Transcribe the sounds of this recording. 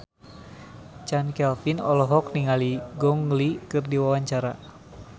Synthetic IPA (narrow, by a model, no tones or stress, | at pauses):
t͡ʃankɛlfinɔlɔɦɔk̚niŋaliɡɔŋlikɨrdiwawaɲt͡ʃaɾa